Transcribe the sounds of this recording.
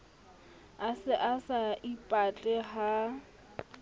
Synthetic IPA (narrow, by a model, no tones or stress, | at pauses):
asɪʔasaʔipʼat͡ɬʼɛɦa